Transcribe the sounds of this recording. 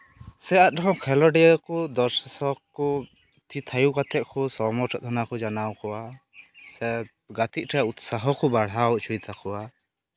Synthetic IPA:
sɛat̪̚ɖɔɦɔ̃wkʰɛlɔɖɛɔkɔd̪ɔɾsasɔkkːɔ | t̪ʰit̪ʰajukat̪ʰɛʔ̚kʰɔsɔmɔʈʰɔt̪ʰɔnakɔd͡ʒanawkɔwasɛ | ɡat̪it̪̚ˀʈʰɛjaut̪saɦɔkɔbaɽ̤awt͡ʃʰujt̪ʰakɔwa

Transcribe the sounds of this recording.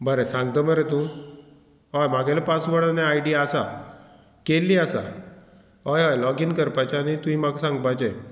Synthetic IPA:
bəɾesãŋɡt̪əməɾet̪ũ | ɦɔjmaɡʱelepasʋəɽənjaajɖiasa | kelːiasa̰ | ɦɔjɦajlɔɡinkəɾpajt͡ɕanit̪ũimaɡsãŋɡpajt͡ɕe

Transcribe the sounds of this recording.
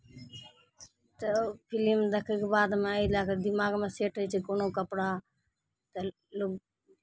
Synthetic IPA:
t̪əpʰɪlimd̪əkʰekbaːd̪mẽilaːkd̪ɪmaːɡmẽːseːʈʰət͡ʃʰikoːnoːkəpɽaː | t̪ə | lo

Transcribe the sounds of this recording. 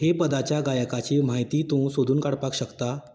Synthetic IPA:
hepəd̪at͡ɕjaɡajəkat͡ɕim̤aɦjt̪iːt̪ũsod̪ʱuːnkaɽpakɕəkt̪a

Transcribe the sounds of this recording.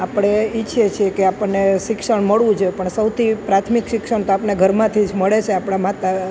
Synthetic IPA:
apɽ̃eɪːʃʰet͡ʃʰiekeapəɳːeʃɪkʂəɳməɭʋũd͡ʒʰoepəɳsəwt̪ʰipɾat̪ʰmikʃɪkʃəɳt̪oapneɡʱəɾmãt̪ʰid͡ʒməɭet͡ʃʰeapɳ̃amat̪a

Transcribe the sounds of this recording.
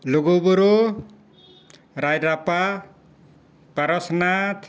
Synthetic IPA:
loɡoboɾo | ɾajɾapa | paɾʌsnat̪ʰ

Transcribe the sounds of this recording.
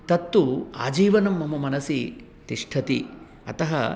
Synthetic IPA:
t̪ɐt̪ːua̰ːd͡ʒiːʋɐnɐmːɐmɐmɐnɐsi | t̪iʂʈʰɐt̪ḭ | ɐ̰t̪ɐɦɐ̰

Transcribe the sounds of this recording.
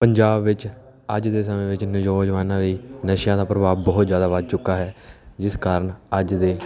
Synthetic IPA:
pəɲd͡ʒaːbʋɪt͡ʃ | əd͡ʒd̪eːsəmẽːʋɪt͡ʃnɪd͡ʒoːd͡ʒʋaːnãːliːnəʃjãːd̪aːpɾəbaːʋbɔːt̪zjaːd̪aːʋət̪t͡ʃʊkːaːɦɛːd͡ʒɪskaːɾəɳəd͡ʒd̪eː

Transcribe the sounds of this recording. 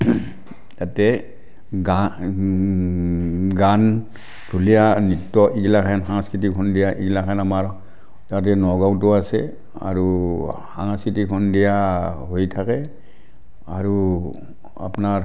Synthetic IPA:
tatɛ | ɡa | ɡan | dʱulijanitːɔʔiɡilakʰanɦaŋaskɹit̬ikʰɔndijaʔiɡilakʰanamaɹɔ | tat̬ɛnɔɡawtʊasɛ | a̰ɹuhaŋaskɹitikʰɔndijaɦojtʰakɛ | aɹu | a̰pnaɹ

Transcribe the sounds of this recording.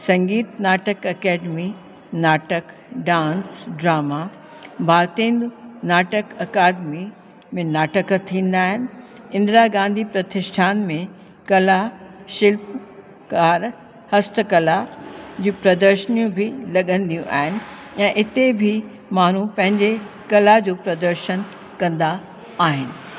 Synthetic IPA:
sɐ̃ŋɡiːt̪naːʈəkɐkɛːɖmi | naːʈək | ɖãːnsɖɾaːma | bʱaːɾt̪ĩːnd̪naːʈəkɐkaːd̪mi | mẽnaːʈəkt̪ʰːĩːnd̪aːɦɪnɪ̆ | ɪ̃nd̪ɾaɡãːnd̪ʱipɾɐt̪ɪʃʈʰaːnmẽ | kɐlaʃɪlp̚ | kaːɾ | hɐst̪ʰəkɐlad͡ʑiːpɾɐd̪əɾʃənijũbʱɪlɐɠə̃nd̪ijũʔa̰ːɦɪnɪ̆ɛ̃ːʔɪt̪ebʱɪ | maːn̤ũpɐ̃ɦɪ̃ɲd͡ʑe | kɐlad͡ʑoːpɾɐd̪əɾʃən | kɐ̃nd̪aː | ɦɪnɪ̆

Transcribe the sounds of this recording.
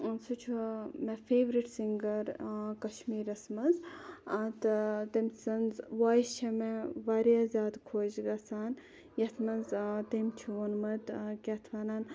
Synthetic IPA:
sut͡ʃʰuɐmefʰeːʋɾiʈsiŋɡɐɾkɐʃmiːɾɐsmɐnzɐt̪t̪ɐmsɐnzʋaːjist͡ʃʰɐmeʋaːɾjaːzʲjaːd̪kʰoːd͡ʒɡasaːn | jɐt̪ʰmɐnzt̪emʲt͡ʃʰuonmɐt̪kʲɐt̪ʰʋaːnaːn

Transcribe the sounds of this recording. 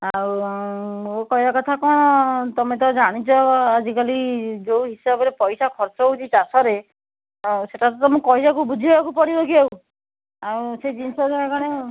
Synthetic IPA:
awmkɔjbakɔt̪ʰakɔñɔt̪ɔmet̪ɔd͡ʒaɽ̃it͡ʃʰɔad͡ʒikalid͡ʒowɦisabɔɾepɔjsakʰɔɾt͡ʃɔɦut͡ʃʰit͡ʃasɔɾe | seʈatɔt̪ɔmũkɔjsakubud͡ʒʱibebakupɔɽibɔkiaw | awsejd͡ʒinsɔd͡ʒeekaɽ̃e

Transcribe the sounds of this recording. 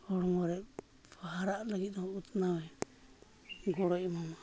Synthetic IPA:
ɡɔɽɔmɔɾɛʔ | baɦaɾaʔlaɡit̪̚nɔɔʔut̪nawɛ | ɡɔɽɔʔmɔma

